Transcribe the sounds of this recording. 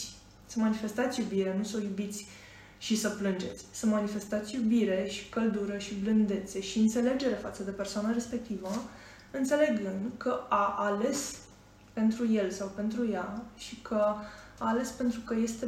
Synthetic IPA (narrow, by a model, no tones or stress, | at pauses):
səmanife̞st̪at̪sʲjubiɾenusojubit̪sʲ | ʃisəplɨnd͡ʒe̞t̪sʲsəmanife̞st̪at̪sʲjubiɾe̞ʃi̥kəld̪uɾəʃiblɨnd̪e̞t̪se̞ʃiɨnt̪se̞le̞d͡ʒe̞ɾe̞fat̪səd̪e̞persoanəɾe̞spe̞k̚t̪ivə | ɨnt̪se̞le̞ɡɨnd̪kəaʔale̞s | pe̞nt̪ɾuje̞lsawpe̞nt̪ɾujaʃikʰəaːle̞spe̞nt̪ɾukəje̞st̪e̞